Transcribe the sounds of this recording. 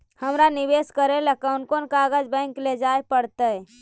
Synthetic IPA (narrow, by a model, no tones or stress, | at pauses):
həmɾanibeskəɾelakənkonkaɡəd͡ʒbə̃ɪ̃ŋkled͡ʒaepəɽt̪ə